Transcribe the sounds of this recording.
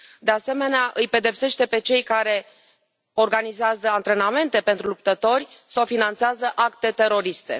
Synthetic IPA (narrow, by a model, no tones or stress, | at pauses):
d̪e̞ase̞me̞neaʔɨjpe̞d̪e̞pse̞ʃt̪e̞pe̞t͡ʃe̞jkaɾe̞ | o̞rɡanizeazəant̪ɾe̞name̞nt̪e̞pe̞nt̪ɾulup̚t̪ət̪o̞rʲsawfinant̪seazəʔakt̪e̞t̪e̞ɾo̞ɾist̪e̞̰